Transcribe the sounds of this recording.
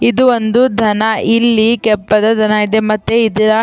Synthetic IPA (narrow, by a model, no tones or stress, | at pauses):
id̪uʋond̪ud̪ʱɐnɐʔilːikɛpːɐd̪ɐd̪ʱɐnɐid̪emɐt̪ːeid̪ɐɾɐ